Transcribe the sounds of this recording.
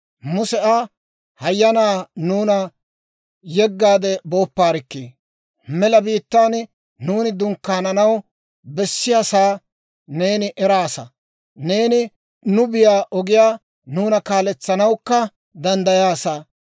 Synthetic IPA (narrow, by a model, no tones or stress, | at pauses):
mʊsɛʔaː | hɐjːɐnaːnuːnɐ | jɛɡːaːd̪ɛbo̞ːpːaːɾɪkːiː | mɛlɐbiːt̪ːaːn | nuːnɪd̪ʊŋkːaːnɐnɐw | bɛsːɪjasaː | ne̞ːnɪʔɛɾaːsɐ | ne̞ːnɪ | nʊbɪjaːʔɔɡɪjaː | nuːnɐkaːlɛt͡sːɐnɐwkːɐ | d̪ɐnd̪ɐjaːsa